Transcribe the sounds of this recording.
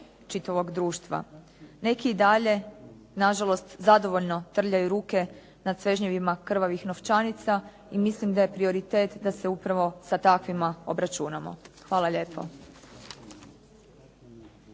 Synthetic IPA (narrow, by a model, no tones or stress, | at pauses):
t͡ʃit̪aʋo̞ɡd̪ɾuːʃt̪ʋa̰ | ne̞kiːd̪aʎe̞ | naʒalˠo̞st̪zad̪o̞ʋo̞ʎno̞t̪r̩ʎajuɾuːke̞ | nad̪sʋe̞ʒɲeʋimakr̩ʋaʋixnoʋt͡ʃanit̪sa | imislimd̪aje̞pɾio̞ɾit̪e̞ːt̪d̪ase̞upɾaʋo̞sat̪akʋimaobɾat͡ʃunamo̞̰xʋaːlˠaʎe̞ːpʰo̞̰